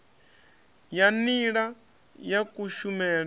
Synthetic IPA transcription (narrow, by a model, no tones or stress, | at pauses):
janiɺa | jakʼuʃumɛːɺ